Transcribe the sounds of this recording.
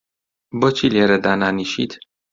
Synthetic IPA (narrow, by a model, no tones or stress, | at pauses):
bɔt͡ʃʰileɾɛd̪ananiʃḭd̪